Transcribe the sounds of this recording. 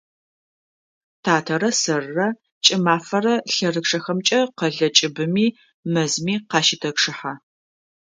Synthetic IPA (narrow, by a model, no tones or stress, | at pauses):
tʰaːtʰɐɾɐsrːɐ | t͡ʃʼɪmaːfɐrɐɬɐrɨkʂɐxɐmt͡ʃʼɐqɐɮɐt͡ʃʼɪbɨmiː | mɐzmiːqɑːʃɪtʰɐkʂɨħa